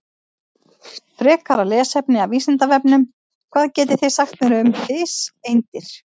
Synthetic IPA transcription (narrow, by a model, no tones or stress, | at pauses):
fɾɛːkʰaɾalɛːsɛpnɪaviːsɪnt̪avɛpnʏm | kʰv̥aːðcɛːt̪ɪθejsaxt̪nɛɾʏʏmfɪːsejnt̪ɪɾ̥